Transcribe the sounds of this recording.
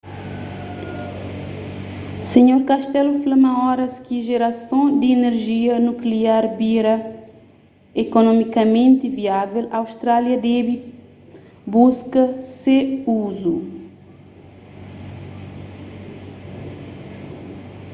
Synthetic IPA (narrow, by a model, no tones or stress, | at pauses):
seɲoɾkaʃt̪ɛluflɐmɐ̃ɔɾɐskiʒeɾɐsõd̪iːneɾʒiɐnukliaɾbiɾɐ | ekonɔmikɐmẽnt̪iviavelɐawst̪ɾaljɐd̪ɛbi | buskɐseuzu